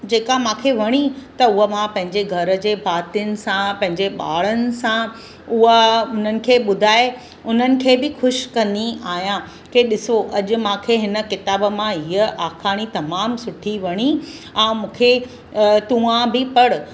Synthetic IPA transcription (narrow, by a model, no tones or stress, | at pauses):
d͡ʑeːkamãːkʰeʋɐɽ̃it̪ɐʊɦəmãpɐ̃ɦɪ̃ɲd͡ʑeɡʱɐɾ̆d͡ʑeːbʱaːt̪ijənɪ̆sãpɐ̃ɦɪ̃ɲd͡ʑeɓa̰ːɭ̤ənɪ̆sã | ʊɦʊn̤ənɪ̆kʰeːɓʊd̪ʱaːe | ʊn̤ənɪ̆kʰeːbɪxʊʃkɐ̃nd̪iaːɦijã | keɗɪsoʔɐʄʊ̆mãːkʰeɦɪnə̆kɪt̪aːbə̆mãɦiəʔaːxaːɽ̃it̪ɐmaːmsʊʈʰiʋɐɽ̃i | ɛ̃ːmũːkʰe | t̪ũãbɪpɐɽʊ